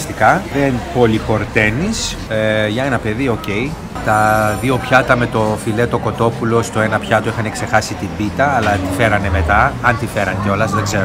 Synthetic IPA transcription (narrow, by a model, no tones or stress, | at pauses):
st̪ikɐðenpo̞lipo̞ɾt̪e̞nis | ʝɐe̞nɐpe̞ðio̞ce̞j | t̪ɐðiopçɐt̪ɐme̞t̪o̞file̞t̪o̞ko̞t̪o̞pulo̞st̪oe̞nɐpçɐt̪oixɐne̞kse̞xɐsit̪imbit̪ɐːlɐt̪ife̞ɾɐne̞me̞t̪ɐɐnt̪ife̞ɾɐnceo̞lɐzðeɡzeɾo